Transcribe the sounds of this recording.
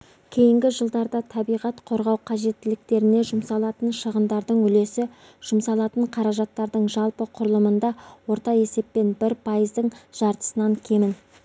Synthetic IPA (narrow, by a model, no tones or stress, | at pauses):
kʲʰe̞jɪŋɡʲɪʒəlˠd̪ɑɾd̪ɑt̪ʰɑbijʁɑt̪qʰo̞ɾʁɑwqʰɑʒe̞t̪ːɪlɪk̚t̪e̞ɾɪne̞ʒʊmsɑlˠɑt̪ənʃəʁənd̪ɑɾd̪əɴʏle̞sɪ | ʒ̥ʊmsɑlˠɑt̪əɴqʰɑɾɑʒɑt̪ːɑɾd̪əɴʒɑlˠpəqʰʊɾəlˠəmənd̪ɑwo̞ɾt̪ɑe̞se̞p̚ːe̞nbɪɾpʰɑjəzd̪əɴʒ̥ɑɾt̪ə̥sənɑŋkʲʰe̞mɪn